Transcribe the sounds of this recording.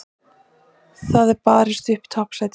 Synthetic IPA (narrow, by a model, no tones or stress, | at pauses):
θaðɛɾpaːɾɪst̪ʏhpt̪ʰɔhpsaːjt̪